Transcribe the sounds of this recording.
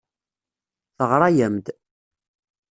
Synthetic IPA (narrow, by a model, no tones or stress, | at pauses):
θəʁɾˤɑjəmd̪